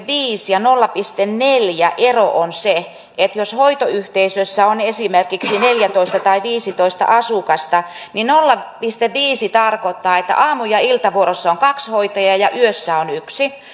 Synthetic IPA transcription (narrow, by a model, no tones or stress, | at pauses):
ʋiːsjɑnolːɑpist̪enneljæʔeroʔonse | ʔet̪joshoit̪oyht̪eisøsːæonesimerkiksineljæt̪oist̪ɑt̪ɑiʋiːsit̪oist̪ɑ̰ʔɑsukɑst̪ɑninolːɑpist̪eʋʋiːsit̪ɑrkot̪ːɑːet̪ːæ̰ʔɑːmujɑilt̪ɑʋuoɾosːɑoŋkɑkshoit̪ojɑjɑʔyøsːæonyksi